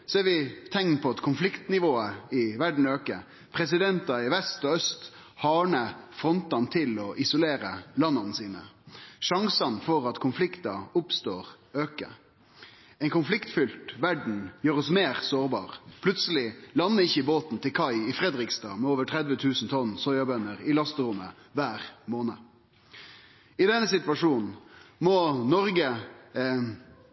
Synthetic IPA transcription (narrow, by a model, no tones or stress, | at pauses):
sɔɛʋɪt̪ʰɛŋnpʰɔɑt̪kʰʊnflɪkt̪nɪʋoːəɪʋæɖɳ̩øːkə | pʰɾɛs̬ɪd̪ɛnt̪ɑɪʋɛst̪ɔœst̪ | hɑːɳəfʁɔnt̪ɑnt̪ʰɪlɔʔɪsʊleːɾəlɑnːɑnəsiːnə̰ʂɑŋsɑnfɔɾɑt̪kʰʊnflɪkt̪ɑ̰ʊpst̪oːʁ | øːkə̰ | ɛɪnkʊnflɪkt̪fʏlt̪ʋæɖɳ̩jøːɾɔsmeːʁsoːʁbɑ̰ːʁpʰlʉt̪səlɪlɑnːəɪçːəɪboːt̪n̩t̪ʰɪlkʰɑɪɪfʁɛd̪ʁɪkst̪ɑ̰ːmɛoːʋəʈʰʁɛd̪ʋət̪ʰʉːsn̩t̪ʰɔnːsɔʏɪɑbœnːəʁɪlɑst̪əʁʊmə | ʋæːʁmoːnə | ɪd̪ɛnːəsɪt̪ʋɑʂuːnn̩mɔnɔʁɡə